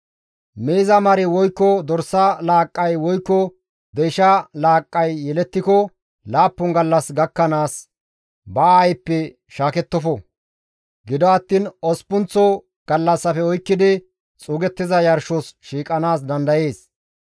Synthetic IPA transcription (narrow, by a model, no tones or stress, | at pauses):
meːzɐmɐɾɪwɔjkːɔd̪ɔɾsːɐlaːkʼːɐjwɔjkːɔ | d̪ɛjʃɐlaːkʼːɐjːɛlɛt̪ːɪkɔ | laːpːʊŋɡɐlːɐsɡɐkːɐnaːs | bɐaːjpːɛ | ʃaːkɛt̪ːɔfɔ | ɡɪd̪ɔɐt̪ːiːnɔspːʊnt͡sːɔ | ɡ̥ɐlːɐsːɐfɛɔjkːɪd̪ɪ | t͡sʼuːɡɛt̪ːɪzɐjɐɾʃɔsʃiːkʼːɐnaːsd̪ɐnd̪ɐje̞ːs